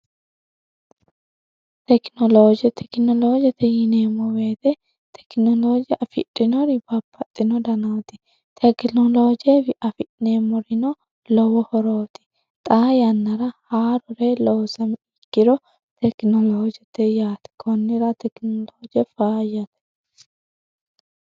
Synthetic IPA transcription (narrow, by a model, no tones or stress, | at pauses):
t̪ɛknɔloːd͡ʒɛt̪ʰɛknɔloːd͡ʒɛt̪ɛjɪneːmɔweːt̪ɛ | t̪ʰɛ̥knɔloːd͡ʒɪʔɐfɪ̰ᶑʼːɪnɔɾɪb̥ɐpːɐt̪ʼːɪnɔd̪ɐnɐwt̪ɪ̥ | t̪ʰɛknɔlo̞ːd͡ʒɛbɪʔɐfɪtnemɔɾɪnɔ | lɔwɔhɔɾoːt̪ɪ̥ | t̪ʼaːjɐnːɐɾɐhaːɾɔɾelɔwsɐmɪkːɪɾɔ | t̪ʰɛknɔloːd͡ʒɛt̪ːɛjaːt̪ɪ̥kʰɔnːɪɾɐt̪ɛknɔloːd͡ʒɛfaːjɐt̪ɛ̥